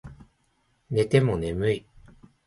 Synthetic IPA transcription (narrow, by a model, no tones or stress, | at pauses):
ne̞t̪e̞mo̞ne̞mɯi